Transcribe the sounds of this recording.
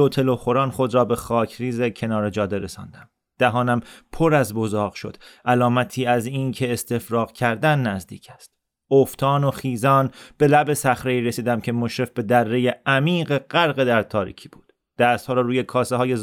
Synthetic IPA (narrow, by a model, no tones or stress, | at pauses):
lot̪ʰe̞loχo̞ɾɒːnχo̞d̪ɾɒːbe̞xɒːcʰɾiːzecʰe̞nɒːɾe̞d͡ʒɒːd̪e̞ɾe̞sɒ̰ːnd̪æm | d̪̥æɦɒːnæmpʰoɾæzbo̞zɒːʁʃo̞̰d̪̥ʔælɒːmæt̪ʰiːæzincʰe̞ːst̪ʰe̞fɾɒːʁcʰæɾd̪ænːæzd̪ḭːcʰæ̥st̪ | oft̪ʰɒːnoχiːzɒːnb̥e̞læbe̞sæχɾeiːɾesiːd̪æmcʰe̞moʃɾe̞fbe̞d̪ærːe̞je̞æmiːɢe̞ɢæɾɣe̞d̪æɾt̪ʰɒːɾḭːcʰi̥ːb̥uːd̪̥ | d̪̥æːst̪hɒːɾɒːɾuːje̞kʰɒːseɦɒːje̞